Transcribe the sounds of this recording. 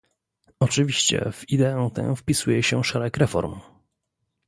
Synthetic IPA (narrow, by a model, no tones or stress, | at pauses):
ɔt͡ʂɘvʲiɕt͡ɕɛ̰v̥id̪ɛɛ̃w̃t̪ɛ̰̃fpʲisujɛɕɛʂɛɾɛkɾɛfɔ̰ɾm